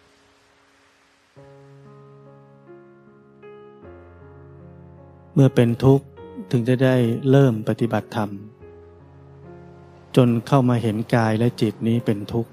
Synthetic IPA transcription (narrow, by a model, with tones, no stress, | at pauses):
mɯ˥˩ɐpe˧nt̪ʰu˦˥k̚t̪ʰɯ˩˦ŋt͡ɕa˧˩da˥˩jɾɤː˥˩mpa˧t̪i˨˩ba˨˩t̪ʰːa˧m | t͡ɕo˧nkʰa˥˩wmaː˧ɦe˩˦nkaː˧jlɛ˦˥t͡ɕi˨˩t̪̚niː˦˥pe˧nt̪ʰu˦˥k̚